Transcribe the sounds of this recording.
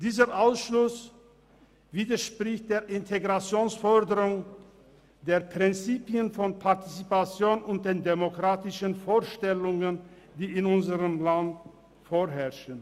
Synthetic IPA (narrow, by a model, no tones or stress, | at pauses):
d̥iːzəʔaʊsʃlʊs | viːdɐʃpʁ̥ɪçt̚d̥eːɐʔɪntʰeɡʁat͡sjoːnsfɔʁdəʁʊŋ | deːɐpʁ̥ɪnt͡siːpiənfɔnpʰaɐtit͡sipat͡sjoːnʊnt̚d̥eːndemokʁ̥aːtɪʃənfoːɐʃtɛlʊŋən | d̥iːɪnʊnzəʁəmlant | foːɦɛɐʃən